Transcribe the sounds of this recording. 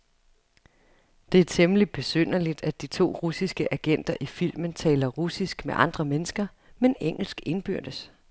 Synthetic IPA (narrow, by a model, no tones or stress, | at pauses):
d̥e̝æɐt͡sʰemlid̥̚b̥e̝søn̰ɐlid̥æd̥̚it͡sʰo̝̰ːʁusisɡ̥əʔæɡ̥en̰d̥ɐʔifil̰mənt͡sʰɛ̰ːlɐʁusisɡ̥meʔɑ̈nd̥ʁɐmenəsɡ̥ɐ | meneŋ̰l̩sɡ̥e̝nb̥yɐ̰d̥əs